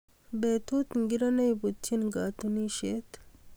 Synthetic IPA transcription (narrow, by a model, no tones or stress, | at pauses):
bet̪ut̪ŋɡiɾɐnɐjbut̪ʰːinɡaːt̪uniʃet̪